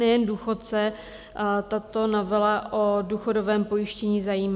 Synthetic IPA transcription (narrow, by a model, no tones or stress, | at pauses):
nɛjɛnduːxot̪sɛ | t̪at̪o̞novɪlaʔoduːxo̞dovɛːmpo̞jɪʃcɛɲizajiːm